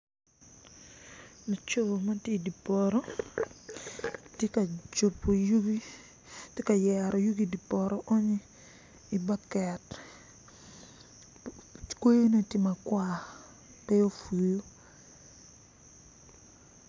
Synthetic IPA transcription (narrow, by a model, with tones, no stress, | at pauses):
no˨t͡ʃo˨ma˦te˦˨di˨pɔ˨ɾɔ˦ | te˦ka˨d͡ʒo˨pːo˨ju˦ɡi˦ | te˦ka˨jɛ˨ɾɔ˨ju˦ɡi˦di˨pɔ˨ɾɔ˨ʔɔ˦ɲi˦ | i˨ba˦kɛ˨t | kwe˦jno˦ti˦ma˨kwa˦˨ | pɛ˦o˦fu˨lo˦